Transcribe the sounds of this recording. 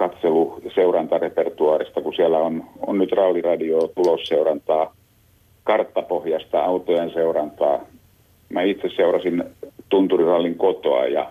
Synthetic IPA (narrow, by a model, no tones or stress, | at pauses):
kɑt̪seluseurɑnt̪ɑrepert̪uɑːrist̪ɑkusiælːæono̰nnyt̪rɑlːirɑdiot̪ulosseurɑnt̪ɑː | kɑrt̪ːɑpohjɑst̪ɑɑut̪ojenseurɑnt̪ɑː | mæit̪sesseurɑsint̪unt̪urirɑlːiŋkot̪o̰ɑ̰jɑ̰